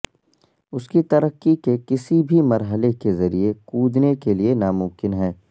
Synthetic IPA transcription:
ʊskit̪ɐɾəkːikekɪsibʱimɐɾɦəlekezɐɾiekuːd̪nekelienaːmʊ̃mkɪnɦɛː

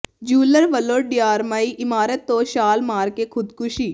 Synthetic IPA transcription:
d͡ʒuːləɾʋəloːɖijaːɾmaːiʔɪmaːɾət̪ːoːʃaːlmaːɾkekʰʊd̪kʊʃiː

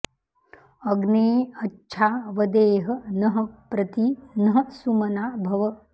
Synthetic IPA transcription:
ɐɡneːɐtːt͡ʃʰaːʋɐd̪eːɦɐ̆nɐɦɐ̆pɾɐt̪inɐɦɐ̆sumɐnaːbʱɐʋɐ

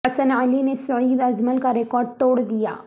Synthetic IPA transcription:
ɐsənaːlinesɐɾiːd̪ɐd͡ʒməlkaɾɪkɔːɾɖ̚t̪oːɽd̪ija̰ː

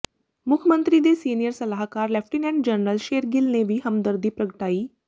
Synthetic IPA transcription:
mukʰəmənt̪ɾid̪esiːnijəɾsəlaɦkaɾlɛfʈinɛ̃ɳɖd͡ʑəɾnɾəlʃeɾɡilneʋiɦəmd̪əɾd̪ʱiːpɾəɡəʈaiː

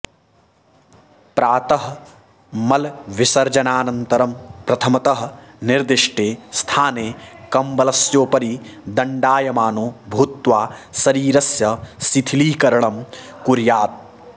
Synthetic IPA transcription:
pɾaːt̪ɐɦ | mɐlʋɪsɐɾd͡ʒɐnaːnɐnt̪ɐɾɐmpɾɐt̪ʰɐmɐt̪ɐɦnɪɾd̪ɪʂʈeːst̪ʰaːneːkɐmbɐlɐsjoːpɐɾid̪ɐɳɖaːjɐmaːnoːbʱut̪ʋaːsɐɾiːɾɐsjɐsit̪ʰiliːkɐɾɐɳɐmkuɾjaːt̪̚

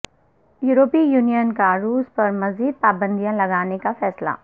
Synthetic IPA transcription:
juːɾoːpijuːnijənkaɾuːspɐɾmɐziːd̪̚paːbə̃nd̪ijãlɐɡaːnekafɛːsla̰ː

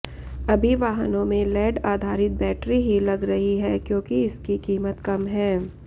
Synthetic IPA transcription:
ɐbʱiʋaːɦənõmẽlɛːɖaːd̪ʱaːɾɪt̪̚bɛːʈɾiɦilɐɡɾɐɦiɦɛːkjõːkiɪskikiːmət̪kɐmɦɛː

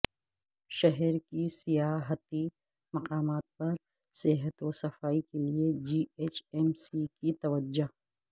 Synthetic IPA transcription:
ʃɐɦɛɾkisijaːɦət̪i | mɐqaːmaːt̪̚pɐɾ | sɪɦət̪osɐfaːikelied͡ʒiːeːt͡ʃɛmsikit̪ɐʋəd͡ʒːo

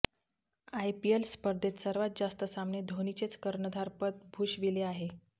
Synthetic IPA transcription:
ajpielspəɾd̪ʱet̪səɾʋat̪̚d͡zast̪əsamned̪ʱonit͡set͡skəɾɳəd̪ʱaɾpət̪̚bʱuːʂʋileaɦe

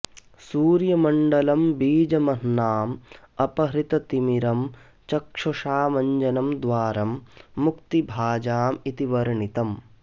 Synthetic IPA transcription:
suːɾjɐmɐɳɖɐlɐmbiːd͡ʒɐmɐɦnaːm | ɐpɐɦɾit̪ɐt̪imiɾɐm | t͡ʃɐkʂɐʂaːmɐɲd͡ʒɐnɐmd̪ʋaːɾɐmːukt̪ibʱaːd͡ʒaːmit̪iʋɐɾɐɳit̪ɐm

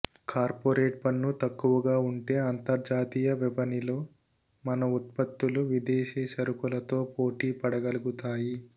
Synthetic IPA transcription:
kaːɾpoːɾeːʈ̚pɐnːut̪ɐkːuʋɐɡaːuɳʈe̞ːɐnt̪ɐɾd͡ʒaːt̪iːjɐʋɛbɐnilo̞ː | mɐnɐut̪̚pɐt̪ːuluʋid̪eːʃiːʃɐɾukulɐt̪o̞ːpoːʈiːpɐɽɐɡɐluɡut̪aːji

